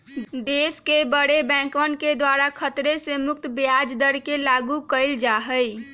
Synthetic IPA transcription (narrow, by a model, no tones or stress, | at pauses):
d̪eskebəɽebɛ̃kʋənked̪waɾakʰət̪ɾesemʊk̚t̪bjad͡ʒd̪əɽkelaɡukəɪld͡ʒaɦəj